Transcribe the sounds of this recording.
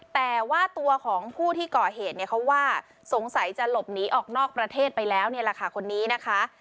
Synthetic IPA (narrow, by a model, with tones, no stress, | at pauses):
t̪ɛː˨˩waː˥˩t̪u˧ɐkʰɔː˩˦ŋpʰuː˥˩t̪ʰiː˥˩kɔː˨˩ɦeː˨˩t̪̚ni˥˩ɐkʰa˦˥waː˥˩ | so˩˦ŋsa˨˩˦jt͡ɕa˨˩lo˨˩p̚niː˩˦ʔɔː˨˩k̚nɔː˥˩k̚pɾa˧t̪ʰeː˥˩t̪̚pa˧jlɛː˦˥wni˥˩ɐɾaː˧xʰaː˧˩kʰo˧nːiː˦˥na˦˥kʰa˦˥